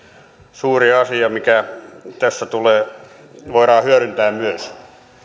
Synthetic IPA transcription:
suːriɑsiɑmikæt̪æsːæt̪uleː | ʋoiɾɑːhyøɾynt̪æːmmyøs

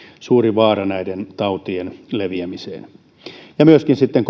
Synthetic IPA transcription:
suːriʋɑːrɑnæident̪ɑut̪ienleʋiæmisḛːn | jɑmyøskinsit̪ːeŋk

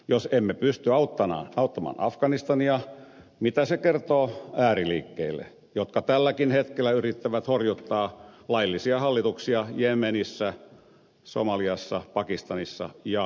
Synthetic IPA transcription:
josemːepyst̪yɑut̪ːɑnɑ̰ɑut̪ːɑmɑ̰ːnʔɑfkɑnist̪ɑniɑ | mit̪æsekert̪oːæːrilḭːkːḛilːḛ | jot̪kɑt̪ælːækinhet̪kelːˑæyrit̪ːæʋæt̪horjut̪ːɑːlɑilːisiɑhɑlːit̪uksiɑjemenisːæ | so̰mɑliɑsːɑpɑkist̪ɑnisːɑ̰jɑ

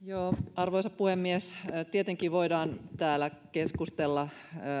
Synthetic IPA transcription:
joːɑrʋoisɑppuhemːiest̪iet̪eŋkiːʋoidɑːnt̪æːlækeskust̪elːɑ

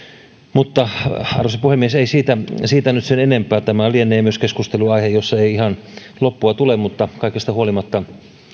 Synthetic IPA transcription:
mut̪ːɑɑ̰rosepuhemːieseisiːt̪æsiːt̪ænyt̪senenempˑæːt̪æmælienːˑeːmyøskeskust̪eluɑihejosːɑeiihɑn | lopːuɑt̪ulemmut̪ːɑkɑikest̪ɑuolimɑt̪ːɑ

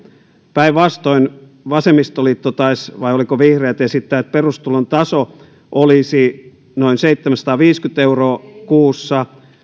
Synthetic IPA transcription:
pæiʋʋɑst̪oin | ʋɑsemist̪oliːt̪ːot̪ɑisʋɑijolikoʋihreːt̪jesit̪ːæːt̪̚perust̪ulont̪ɑso | ʔolisi | noinseit̪ːemæsɑt̪ɑːʋiːskyt̪euroːkuːsːɑ

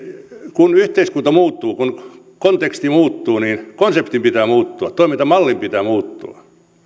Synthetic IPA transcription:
kunyht̪eiskunt̪ɑmuːt̪ːuːkun | kont̪ekst̪imuːt̪ːuːniːnkonsept̪impit̪æːmuːt̪ːuɑt̪t̪oimint̪ɑmɑlːimpit̪æːmuːt̪ːṵɑ̰

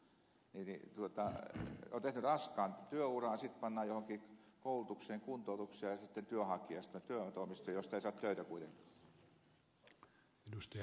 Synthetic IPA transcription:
ninḭt̪uot̪ɑ̰oːnt̪ehnyrɑskɑːnt̪yøurɑˑːnsit̪pɑnːɑːjohoŋkiːkoulut̪ukseːŋkunt̪ˑoˑut̪uksiɑjɑsit̪ːent̪yøhɑkˑiɑst̪oet̪t̪yøt̪oˑmist̪ojɑjost̪eisɑːˑt̪t̪øyt̪ækuit̪eŋkɑ̥ː | edust̪ɑ

